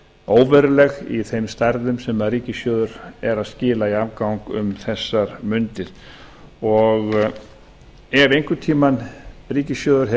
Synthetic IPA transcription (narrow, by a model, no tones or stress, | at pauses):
oːwvɛɾʏlɛɣḭθejmst̪aɾðʏmsɛmaðriːcɪsjœːðʏɾɛɾaðscɪːlaiavkawŋkʏ̰mθɛsːaɾmʏnt̪ɪð | ɔɣ | ɛvejŋkʏt̪ʰiːmanriːcɪsjœːðʏɾ̥ɦɛ